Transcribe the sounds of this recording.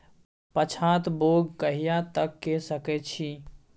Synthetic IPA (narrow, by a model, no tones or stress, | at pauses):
pət͡ʃʰãt̪boɡkəɦijat̪əkːesəkɛt͡ʃʰi